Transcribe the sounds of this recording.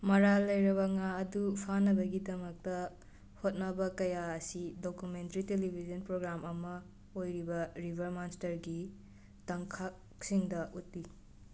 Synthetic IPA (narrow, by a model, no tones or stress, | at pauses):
mɐɾalːɐjɾɐβɐŋaɐdupʰanɐbɐɡidɐmɐk̚tɐ | hot̚nɐbɐkɐjaɐsidokumentɐɾitelibʱizɐnpɾoɡɾamɐmɐ | ojɾibɐɾibʱɐɾmanstɐɾɡi | tɐŋkʰak̚ | siŋdɐʔut̚li